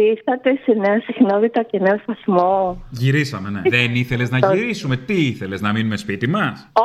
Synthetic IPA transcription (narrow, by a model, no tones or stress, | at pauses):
isθɐt̪e̞sene̞ɐsixnonit̪ɐce̞ne̞ost̪ɐsmoʝiɾisɐme̞ne̞̰ðeniθe̞leznɐiɾisume̞t̪iiθe̞le̞znɐminume̞spit̪imɐs